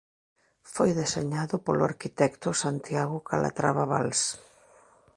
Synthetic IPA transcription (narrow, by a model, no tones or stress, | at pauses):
fojðeseɲaðʊpolʊaɾkit̪ɛkt̪ʊsant̪jaɣʊkalʔa̰t̪ɾaβaβals